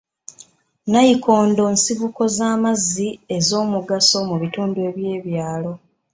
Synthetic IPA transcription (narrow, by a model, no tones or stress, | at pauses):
najikʰo̞ːndo̞ːnsivuko̞zaːmazːie̞zo̞ːmuɡaso̞muβituːndue̞βje̞ːβjaːlo̞